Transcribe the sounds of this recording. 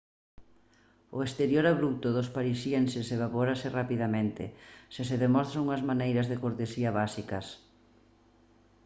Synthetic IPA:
ʊest̪eɾjoɾaβɾut̪ʊðʊspaɾisjensɪseβ̞apoɾasɪrapiðamẽnt̪ɪ̰sɪseðemɔst̪ɾaŋuŋɐzmanejɾɐzðekoɾt̪esiɐβasikɐs

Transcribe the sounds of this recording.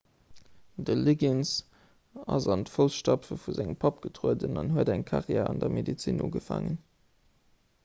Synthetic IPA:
dəliɡins | ɑ̰zɑntfolsʃtɑpfəfuzæŋəmpʰɑp̚ɡ̥ətʁoədənɑnɦuədæŋkʰɑʁjɛːɑndɐmedit͡siːnʔuːɡəfa̰ːŋən

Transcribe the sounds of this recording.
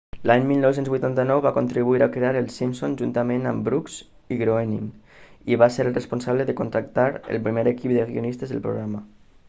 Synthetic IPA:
laɲmilnɔwsenzβujt̪ant̪ənɔwβakont̪ɾiβuiɾakɾeaɾəlˠsimsonʒunt̪amẽnambɾukz | iɣɾoenḭm | iβaseɾrəspunsaβləðəkont̪ɾak̚t̪aɾə̰lˠpɾimeɾekip̚d̪əɣionist̪əzðə̰lpɾṵɣɾamə

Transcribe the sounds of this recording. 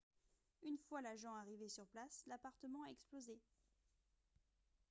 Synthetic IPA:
ynfwalaʒɑ̃aʁivesyʁplaslapaʁt̪əmɑ̃aɛksploze

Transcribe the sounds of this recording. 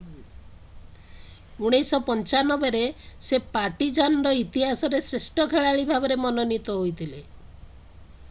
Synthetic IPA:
uɽ̃esɔpɔnt͡ʃanɔbeɾesepaʈid͡ʒanɔɾɔit̪iɦasɔɾesɾesʈɔkʰeɭaɭibʱabɔɾemɔnɔnit̪ɔɦojt̪ʰile

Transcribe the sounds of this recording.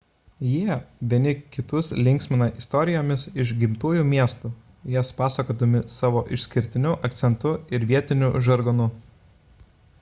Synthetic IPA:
jiɛʋʲiɛnʲɪkʲɪt̪ʊslʲɪŋʲksʲmʲɪnɐʔɪst̪ɔɾʲɪjoːmʲɪsɪʃɡʲɪmt̪uːjuːmʲiɛst̪uː | jɛspɑːsɐkoːd̪ɐmʲɪsɑːʋoːʔɪʃʲsʲkʲɪɾʲt̪ʲɪnʲʊʔɐk̚t̪sʲɛnt̪ʊɪɾʋʲiɛt̪ʲɪnʲʊʒɐɾɡɐnʊ

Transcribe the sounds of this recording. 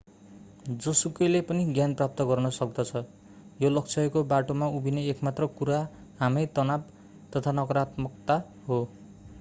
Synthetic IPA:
d͡zʌsukʌjlepʌniɡjanprap̚t̪ʌɡʌrnʌsʌk̚d̪ʌt͡sʰʌ | jolʌkt͡sʰʌjkobaʈomaubʱineekmat̪rʌkuɾa | ɦamʌjt̪ʌnab | t̪ʌt̪ʰanʌkʌɾat̪mʌk̚t̪a | ɦo

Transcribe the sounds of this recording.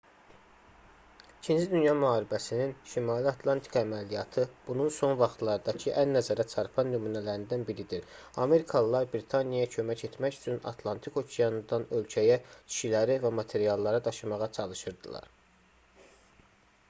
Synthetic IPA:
icʰind͡ʒid̪ynjɑmyhɑːɾibæsininʃimɑːliɑt̪ʰlˠɑnt̪ʰi̥kæmælijɑt̪ʰɯb̥ununso̞nvɑχt̪ʰlˠɑɾd̪ɑcʰɯʔænːæzæɾæt͡ʃʰɑɾpʰɑnːymuːnælæɾind̪ænbiɾid̪iɾɑ̰me̞ɾikʰɑlˠlˠɑɾbɾit̪ʰɑnijɑcʰø̞mæce̞t̪mæcy̥t͡ʃʰynɑ̰t̪ʰlˠɑnt̪ʰiko̞cʰejɑnd̪ɑnø̞lcʰæjæt͡ʃʰi̥ʃilæɾivæmɑt̪ʰe̞ɾijɑlˠːɑɾɑd̪ɑʃɯmɑʁɑt͡ʃʰɑlˠɯʃɯɾd̪ɯlˠɑ̰ɾ

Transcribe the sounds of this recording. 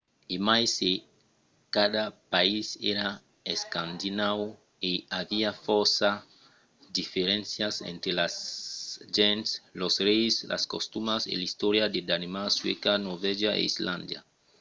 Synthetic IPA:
emajse | kad̪apaiseɾa | eskãnd̪inaw | eaviafoɾsa | d̪ifeɾẽnsjasḛ̃nt̪ɾelas | ʒẽntslosrejslʔa̰sko̰st̪umasḛlist̪oɾjad̪ed̪animaswḛkanoɾveʒaʔḛizlãnd̪ja̰

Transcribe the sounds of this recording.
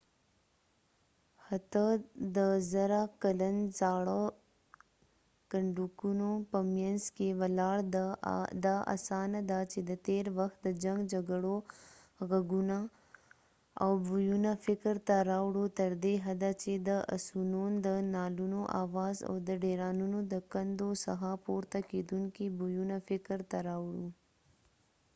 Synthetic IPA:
hat̪əd̪əzaɾakələnzaːɽo | kəɳɖukunopəmjanzkewalaːɽd̪d̪aʔa̰saːnad̪at͡ʃed̪ət̪eɾwɐxt̪̚d̪əd͡ʒaŋɡd͡ʒaɡəɽo | ɣəɡuna | a̰wbujunafɪkɾt̪aɾawɽot̪əɾd̪eɦad̪at͡ʃed̪əʔa̰sunond̪ənɑːlunoʔa̰wɑza̰wd̪əɖeɾɑːnunod̪əkɐnd̪osa̰ɦapoɾt̪aked̪uŋkibujunafɪkəɾt̪aɾawɽu

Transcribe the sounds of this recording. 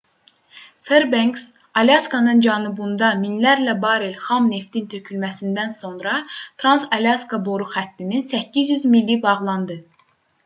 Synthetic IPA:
feɾbeŋks | ɑljɑskɑnɯnd͡ʒɑnubund̪ɑminlæɾlæbɑːɾelχɑmne̞ft̪int̪ʰøcʰylmæsind̪ænso̞nɾɑt̪ʰɾɑnsɑljɑskɑboɾuxæt̪ːininsæcːizjyzmilːibɑʁlˠɑnd̪ɯ

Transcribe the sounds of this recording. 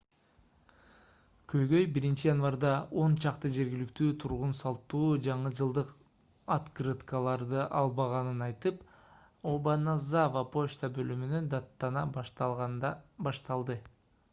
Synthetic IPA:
kʰø̞jɡø̞jbiɾint͡ʃijanvaɾd̪ɑo̞nt͡ʃʰɑqt̪ɯd͡ʒe̞ɾɡʲilikt̪yːt̪ʰuɾʁunsɑlˠt̪ːuːd͡ʒɑɴɯd͡ʒɯlˠd̪ɯq | ɑt̪krɨt̪kɑlˠɑɾd̪ɯʔɑlˠbɑʁɑnɯnɑjt̪ɯp | obanazavapo̞ʃt̪abø̞lymynønd̪ɑt̪ːɑnɑʁbɑʃt̪ɑlˠd̪ɯ

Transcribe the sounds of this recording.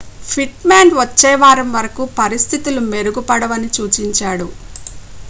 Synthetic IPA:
pʰiʈmaːnʋɐt͡ʃːɛːʋaːɾɐmʋɐɾɐkupɐɾist̪ʰit̪ulume̞ɾuɡupɐɽɐʋɐnit͡ʃuːt͡ʃiɲt͡ʃaːɽu

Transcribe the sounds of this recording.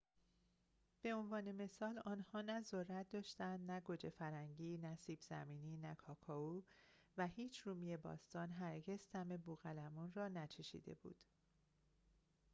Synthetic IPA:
b̥e̞onvɒːne̞me̞sɒːlɒːnhɒːnæzorːæt̪̚d̪ɒːʃt̪ænd̪næɡo̞d͡ʒe̞fæɾæŋɟiːnæsiːbz̥æ̰miːniːnækʰɒːkʰɒuː | væhiːt͡ʃʰɾumijebɒ̰ːst̪ɒːnɦæɾɟe̞z̥t̪ʰæme̞buɣælæmunrɒːnæt͡ʃʰe̞ʃḭːd̪e̞̰bṵːd̪̥

